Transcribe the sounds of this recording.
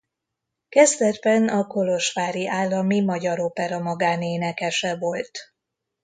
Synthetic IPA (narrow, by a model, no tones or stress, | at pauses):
kɛzd̪ɛrbɛnɒko̞lo̞ʃʋaːɾiʔaːlːɒmimɒɟɒɾoːpɛɾɒmɒɡaːneːnɛkɛʃɛvo̞lt̪